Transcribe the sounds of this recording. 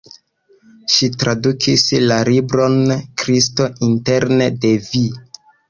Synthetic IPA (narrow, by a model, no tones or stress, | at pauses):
ʃitɾadukʰislalibɾo̞nkɾisto̞inte̞ɾnede̞vi